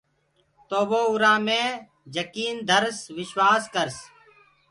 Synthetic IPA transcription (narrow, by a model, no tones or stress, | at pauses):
t̪oːʋoːʊɾãːmẽː | d͡ʒəkiːnd̪ʱəɾsʋɪʃʋaːskəɾs